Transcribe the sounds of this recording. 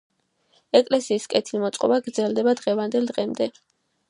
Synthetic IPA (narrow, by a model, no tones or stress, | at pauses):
ɛkʼlɛsiːskʼɛt̪ʰilmɔt̪sʼqʼɔ̰baɡɾd̪zɛlˠd̪ɛbad̪ʁɛvand̪ɛld̪ʁɛmd̪ɛ